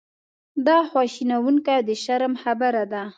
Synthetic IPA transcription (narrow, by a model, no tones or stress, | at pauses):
d̪ɑxwɑʃinawuŋkajd̪əʃaɾmxabaɾad̪a